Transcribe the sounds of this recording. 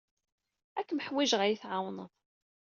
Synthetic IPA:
ækːməħwiʒʁæjiθʕawnəðˤ

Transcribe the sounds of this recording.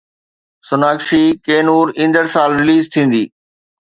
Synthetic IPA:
sʊnaːkʃikeːnuːɾɪ̃nd̪əɽsaːlɾɪliːzt̪ʰĩːn̆d̪iː

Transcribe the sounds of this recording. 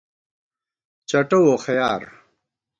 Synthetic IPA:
t͡ɕɐʈowoːxɐjaːɾ

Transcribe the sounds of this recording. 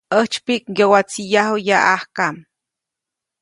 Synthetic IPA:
əht͡ʃpikjowat͡sijaɦojaʔahkam

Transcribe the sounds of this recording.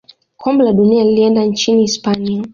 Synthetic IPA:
kʰɔmbɛlaɗunialiliɛndant͡ʃiniːspania

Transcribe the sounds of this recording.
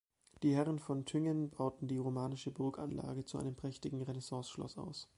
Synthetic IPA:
d̥iːhɛʁənfɔntʰʏŋənbaʊtn̩diːʁomaːnɪʃəbʊɐka̰nla̰ːɡət͡suʔa̰ɪnəmpʁ̥ɛçtɪɡŋ̩ʁenɛsɑ̃ːsʃlɔ̰sa̰ʊs

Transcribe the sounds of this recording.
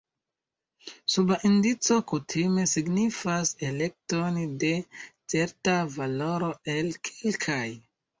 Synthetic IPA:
subaʔindit͡so̞kutʰime̞siɡnifase̞le̞k̚tonde̞t͡se̞ɾtavalo̞ɾo̞e̞lkʰilkʰaj

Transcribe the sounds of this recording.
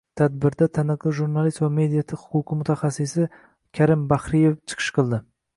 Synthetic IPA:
t̪ʰad̪̚bɪɾd̪at̪ʰanɪqlˠɪʒuɾnalˠist̪vame̞d̪ijat̪ʰɪhʊ̥qʊqʰɨmʊt̪ʰaχasɪsɪ | kʲʰaɾɪmbaχɾɪjeft͡ʃʰɨ̥qʰɨ̥ʃqʰɨlˠd̪ɪ

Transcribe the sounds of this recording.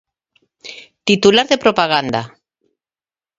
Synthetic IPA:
t̪it̪ulaɾðepɾopaɣ̞and̪a

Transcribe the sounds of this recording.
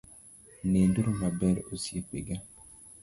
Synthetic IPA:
nenduɾumabɛɾosiekʷḛɡa

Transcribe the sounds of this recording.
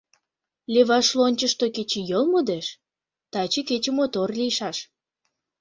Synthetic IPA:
lʲeβɑʃlonʲt͡ɕəʃt̪oket͡ɕejolmod̪eʃ | t̪ɑt͡ɕeket͡ɕemot̪orliʃɑʃ

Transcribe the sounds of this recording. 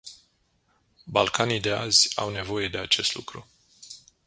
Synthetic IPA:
balkanid̪e̞a̰zʲa̰wne̞vo̞je̞d̪e̞at͡ʃe̞st̪lṵkɾu

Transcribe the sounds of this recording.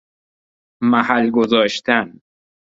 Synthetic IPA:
mæhælɡozɒːʃt̪ʰæn

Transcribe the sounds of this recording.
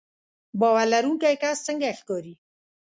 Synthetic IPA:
bɔwaɾlaɾuŋkajkast͡səŋɡaxkɔɾi

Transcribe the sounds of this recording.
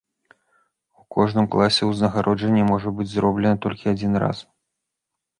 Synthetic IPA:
ukʰɔʐnɨmklˠasʲɛwznɐɣaɾʔɔd͡ʐɐnʲːɛmɔʐɐbɨd͡zʲzrɔblʲɛnɐt̪ɔlʲkʲiad͡zʲinra̰s

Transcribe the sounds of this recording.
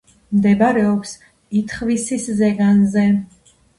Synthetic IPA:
md̪ɛbaɾɛɔps | it̪ʰχvisiszɛɡanzɛ

